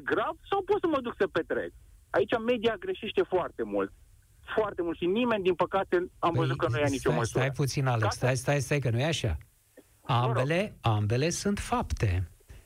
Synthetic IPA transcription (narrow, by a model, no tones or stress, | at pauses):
ɡɾavsawpot̪səməd̪uksəpe̞t̪ɾḛk̚a̰it͡ʃame̞d̪iaɡɾe̞ʃe̞ʃt̪e̞foart̪e̞mult̪̚ | foart̪emult̪ʃinime̞nʲd̪inpəkat̪e̞amvəzut̪kənujanit͡ʃoməsuajput̪sinalest̪ajst̪ajst̪ajkənujeaʃa̰ | ambe̞le̞ambe̞le̞sunt̪fapt̪e̞